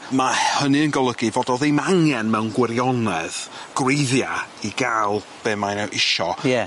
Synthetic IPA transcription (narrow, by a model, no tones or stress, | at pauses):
mahənɨənɡɔlˠəɡɨvɔdɔðejmaŋɛnmɛwnɡwɪɾjɔnɛðɡ̥rejðjaiɡalˠ | b̥ɨːmajnɛwʔɪʃɔjɛ